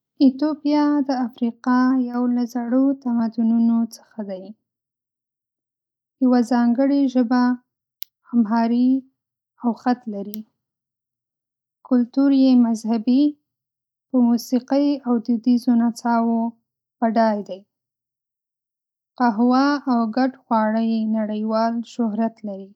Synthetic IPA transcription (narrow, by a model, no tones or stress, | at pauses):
it̪opijɑd̪əafɾiqɑjawlazaɽot̪amad̪ununot͡sə̥xad̪aj | jawazɑŋɡəɽiʒəba | hamɦɑɾi | awxat̪laɾi | kʊlt̪uɾjemazhabi | pəmusiqəjawd̪ɪd̪izonat͡sɑwo | b̥aɖɑjd̪aj | qaɦwaːwɡaɖxwɑɽəjnaɽəjwɑlʃʊɦɾat̪laɾi